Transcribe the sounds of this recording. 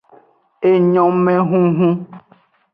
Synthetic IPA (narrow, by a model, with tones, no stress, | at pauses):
e˨ɲɔ̃˨mɛ̃˦ɦũ˦ɦũ˦